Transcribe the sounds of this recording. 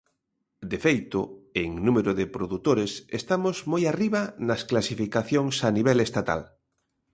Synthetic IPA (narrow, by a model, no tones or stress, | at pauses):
d̪efejt̪ʊeŋnũmeɾʊðepɾoðut̪oɾesest̪amozmojariβanɐsklasifikaθjoŋsaniβɛlest̪at̪a̰l